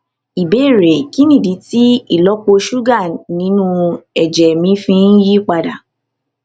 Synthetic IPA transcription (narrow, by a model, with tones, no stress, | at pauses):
i˨be˨˦˨ɾe˨ki˦nĩ˦˨di˨˦ti˦i˦˨lɔ˦k͡po˧ʃu˦ɡa˦˨nĩ˨˦nũ˦ɛ˨d͡ʒɛ˨mĩ˨˦fĩ˦n̩˦ji˦k͡pa˧da˨